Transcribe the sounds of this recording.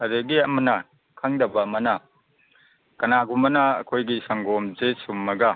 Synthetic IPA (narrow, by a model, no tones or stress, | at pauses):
ɐɾeɡiɐmɐnɐ | kʰaŋdɐbɐmɐna | kɐnaɡumɐnaɐ̰kʰojɡisɐŋɡɔmzesumːɐɡa